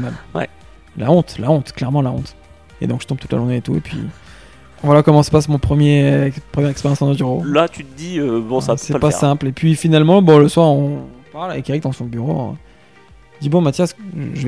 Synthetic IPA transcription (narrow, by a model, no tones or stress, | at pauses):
mɛmwɛ̰ | la̰ɔ̃t̪laɔ̃t̪klɛʁmɑ̃laɔ̰̃t̪ | ḛd̪ɔ̃kʒə̥t̪ɔ̃b̚t̪ut̪la̰ʒuʁneet̪uḛpɥḭ | vwalakɔmɑ̃sə̥pasmɔ̃pχəmjepχəmjɛʁɛkspɛʁjɑ̃sɑ̃d̪ɔ̃ʒyʁolat̪yt̪əd̪iøbɔ̃saasɛapassɛ̃plepɥifinalmɑ̃bɔ̃ləswaʁɔ̃paʁlḛkiʁɛkd̪ɑ̃sɔ̃byʁo̰ | d̪ibɔ̃mat̪jasʒʒəvɛ